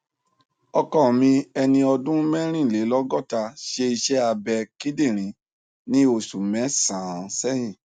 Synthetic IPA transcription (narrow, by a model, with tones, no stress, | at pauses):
ɔ˧kɔ˦˨mĩ˧ɛ˧nĩ˧ɔ˧dũ˦mɛ̃˦ɾ̃ĩ˦˨le˨˦lɔ˦ɡɔ˦˨ta˧ʃe˧i˧ʃɛ˦a˧bɛ˧ki˦dĩ˦˨ɾ̃ĩ˨˦ | nĩ˦o˧˨su˨mɛ̃˨˦sã˨sɛ˦jĩ˦˨